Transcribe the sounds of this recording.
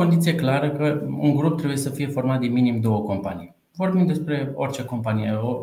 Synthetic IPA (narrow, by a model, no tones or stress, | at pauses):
od̪it̪sijeklaɾəkəṵŋɡɾup̚t̪ɾebuje̞səfije̞fo̞rmat̪d̪inminimd̪o̞wəko̞mpanij | vo̞rbimd̪e̞spɾe̞o̞rʲt͡ʃe̞ko̞mpanijeo